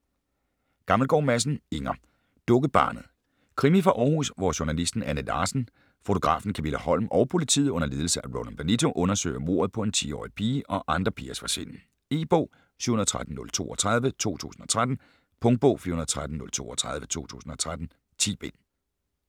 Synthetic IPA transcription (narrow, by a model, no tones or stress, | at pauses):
ɡ̥ɑ̈ml̩ɡ̥ɒ̰ːmæs̬n̩e̝ŋɐ | d̥ɔ̽ɡ̥əb̥ɑ̰̈ːnð̩ˠ | kʰʁimifʁɑ̈ʔɒːhṵsʋɒɕonælisd̥n̩ænəlɑ̈ːsn̩ | fo̝t͡sʰo̝ɡ̥ʁɑ̰̈ːfn̩kʰæmilæhɒ̽l̰mʔɒ̽ʊpʰo̝lit͡sʰiðˠɔ̽nɐle̝ːðˠl̩sɐæʁoʊnænb̥ænit͡sʰo̝ʔɔ̽nɐsø̰ːɪɐmo̝̰ɐðˠpʰɒ̽e̝nt͡sʰḭːɒ̰ːipʰiːʔɒ̽ʔɑ̈nd̥ʁɐpʰiːɐsʋɑ̈se̝n̰n̩ | e̝̰ːb̥ɔ̰ː | sy̰ːhunð̩̥ˠt͡sʰʁad̥n̩nɔ̽lt͡sʰo̝̰ːɒt͡sʰʁɑ̈ð̞ˠʋət͡sʰo̝̰ːt͡sʰṵːsn̩ɒ̽t͡sʰʁad̥n̩ | pʰɔ̽ŋ̥̚b̥ɔ̰ːfiɐhunɐð̩ˠt͡sʰʁad̥n̩nɔ̽lt͡sʰo̝̰ːɒt͡sʰʁɑ̈ð̞ˠʋət͡sʰo̰ːt͡sʰṵːsn̩ɒ̽t͡sʰʁad̥n̩ | t͡sʰḭːb̥e̝̰n